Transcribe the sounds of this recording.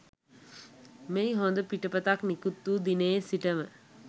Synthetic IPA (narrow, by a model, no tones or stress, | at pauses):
mejɦond̪əpiʈəpət̪aknikut̪ːuːd̪ineːsiʈəmə